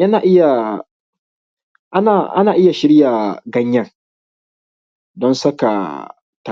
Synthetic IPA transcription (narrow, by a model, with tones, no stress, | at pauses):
jɐ˦naː˨ʔɪ˦ja˨ | ʔa˦naː˨ʔa̰˦naː˨ʔɪ˦ja˨ʃɪ˦ɾjaː˨ɡɐ˦ɲjɐ˦ŋ | dɔ˦nsɐ˦ka̰˨ | ta˨